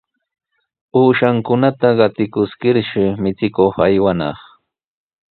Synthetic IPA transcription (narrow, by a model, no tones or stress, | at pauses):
uːʃaŋkʊnat̪aɢɑt̪ɪkʊskɪɾʃɪmɪt͡sɪkoχajwanɑ̰χ